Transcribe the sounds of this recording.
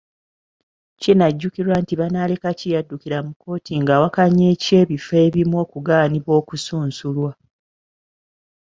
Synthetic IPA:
cinaɟːukiɾwantiβanaːlekacijadːukiɾamuko̞ːtʰiŋɡawakaɲːeːce̞ːβifeːβimwo̞ːkuɡaːniβo̞ːkusuːnsulwa

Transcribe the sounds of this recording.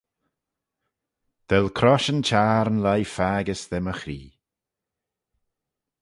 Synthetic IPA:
d̪̥ɛlkʰɾɔʃənt͡ʃʰaːɾənlajfaːɡəsðɛməxɾḭː

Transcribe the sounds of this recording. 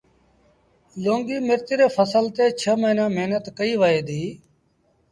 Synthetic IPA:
loːŋɡiːmɪɾt̪ɪɾeːpʰəsəlt̪eːt͡ʃʰəməiːnãːmeɦnət̪kəiːʋaːeːd̪iː

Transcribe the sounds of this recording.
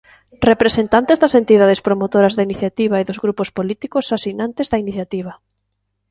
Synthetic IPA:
repɾesent̪ant̪ezðɐsent̪iðað̞espɾomot̪oɾɐzðainiθjat̪iβaeðʊzɣɾupospolit̪ikʊsasinãnt̪ezðɐiniθjat̪iβɐ

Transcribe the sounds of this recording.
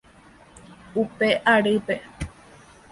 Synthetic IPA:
upe̞ʔaɾɨpe̞

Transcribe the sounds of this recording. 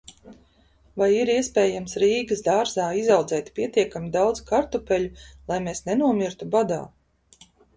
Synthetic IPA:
vajiɾiɛspʲeːjamsɾiːɡəsd̪aːɾzaːizawd̪zɛːt̪pʲiɛt̪iɛkamid̪awd̪z̥kaɾt̪upʲɛʎʲulˠajmeːsnenuɔmʲiɾt̪ubad̪a̰ː

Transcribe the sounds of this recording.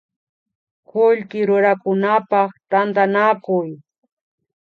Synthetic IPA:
kʊʎkɪɾʊɾakʊnapɑχt̪ant̪anakʊj

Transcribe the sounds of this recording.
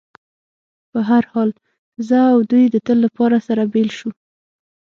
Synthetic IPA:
pəɦaɾhɑl | zəawd̪ujd̪ət̪əlːapɑɾasaɾabelʃu

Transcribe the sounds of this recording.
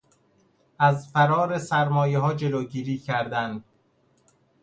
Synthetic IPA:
æzfæɾɒːɾesæɾmɒːjeɦɒːd͡ʒe̞loːɟiːɾiːcʰæɾd̪ænd̪

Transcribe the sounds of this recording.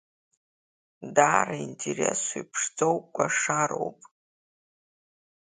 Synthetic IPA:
daːraintʰerḛsojpʰʂd͡zowkʷʼaʂaɾo̞̰wpʼ

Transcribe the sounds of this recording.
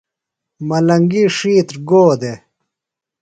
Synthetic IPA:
mɐlɐŋɡiʂiːt̪ɾɡoːd̪e

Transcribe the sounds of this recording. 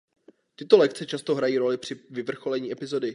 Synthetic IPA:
t̪ɪt̪o̞lɛkt͡sɛt͡ʃast̪o̞ɦɾajiːɾo̞lɪpr̝̥ɪvɪvr̩xo̞lɛɲiːɛpɪzo̞dɪ

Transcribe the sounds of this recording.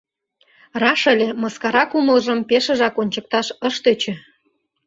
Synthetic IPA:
rɑʃə̆lʲeməskɑɾɑkuməlʒə̆mpeʃə̆ʒɑkonʲt͡ɕə̆k̚t̪ɑʃəʃt̪et͡ɕĕ

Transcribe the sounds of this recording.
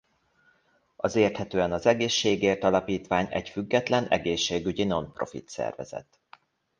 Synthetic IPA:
ɒzeːrt̪hɛt̪øːɛnɒzɛɡeːʃːeːɡeːrt̪ɒlɒpiːt̪ʋaːɲɛ̰cfyɡːɛt̪lɛnɛ̰ɡeːʃːeːɡyɟino̞npro̞̰fḭt̪sɛ̰rvɛ̰zɛ̰t̪

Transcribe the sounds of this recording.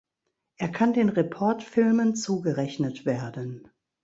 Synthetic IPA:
ʔeːɐkʰandeːnʁepʰɔɐtfɪlmənt͡suːɡəʁɛçnətv̥eːɐdən

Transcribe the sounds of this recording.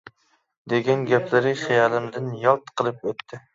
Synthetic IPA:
d̪eɡʲanɡʲapʰlɪɾɪχejɑlˠɪmd̪ɪnjɒlˠt̪qʰɨlˠɪp̚ot̪ʰːɪ

